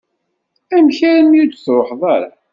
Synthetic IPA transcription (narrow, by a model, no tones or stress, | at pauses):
æmçæɾəmjudθɾˤoħðˤɑɾˤa̰